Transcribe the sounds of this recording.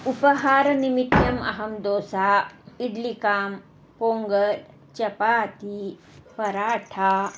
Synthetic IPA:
upəɦaːɾnimit̪jɐmɐ̰ɦɐmd̪oːsaiɖlikaːm | poːŋɡəɾ | t͡ɕɐpaːt̪i | pɐɾaːʈʰa

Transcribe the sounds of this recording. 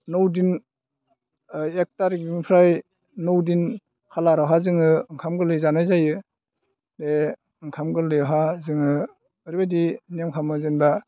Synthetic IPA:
nɔwdin | ek̚taɾiɡiŋpʰɾaj | nɔwdin | kʰalaɾaɦazɯŋɯŋkʰamɡɯlɯjzanajzajɯ | de | ŋkʰamɡɯlɯjɦazɯŋɯ | ɯɾibadiniamkʰamɯzɯnba

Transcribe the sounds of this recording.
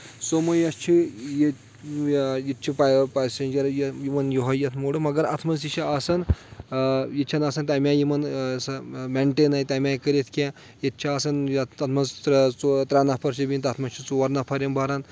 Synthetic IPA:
somɐjɐst͡ʃʰije | jit̪̚t͡ʃʰipapasend͡ʒɐɾjɐjimɐnjoɦɐjɐt̪ʰmoɽɨmɐɡɐɾɐ̰t̪ʰmɐnit͡ʃʰiasɐn | jit̪̚t͡ʃʰɐnasɐnt̪ʲamʲãjimɐnsɐmeɳʈeːnajt̪ʲamʲãjkəɾʲet̪ʰkʲã | jet̪̚t͡ʃʰiaːsɐnjɐɐt̪ʰmɐzt͡st̪ɾanɐpʰɐɾt͡ʃʰibint̪ɐt̪ʰmɐst͡ʃʰit͡suʋɐɾnɐpʰɐɾʲɐmbʱɐɾan

